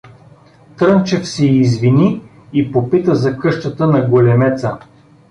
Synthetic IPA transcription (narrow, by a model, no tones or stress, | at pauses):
t̪ɾɤnt͡ʃɛfsɛːzvini | ipopit̪əzɐkɤʃt̪ət̪ənɐɡolʲɛmɛt̪sə